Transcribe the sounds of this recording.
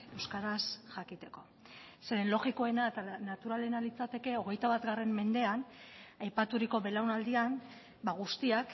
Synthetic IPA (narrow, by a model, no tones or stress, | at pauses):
e̞wskaɾasʝakit̪e̞ko̞ | se̞ɾe̞nlo̞ɣiko̞e̞naet̪anat̪uɾale̞nalit͡sat̪e̞ke̞o̞ɣ̞e̞jt̪aβat̪ɡare̞mːe̞nd̪e̞anajpat̪uɾiko̞βe̞lawnald̪ian | baɣ̞ust̪iak